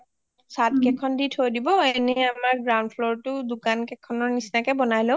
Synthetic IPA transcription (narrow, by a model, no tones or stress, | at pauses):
sat̚kɛkʰɔnditʰojdibɔenɛamaɹɡɹawndfʰlɔɹtʊdukankɛkʰɔnɔɹnisnakɛbɔnajlo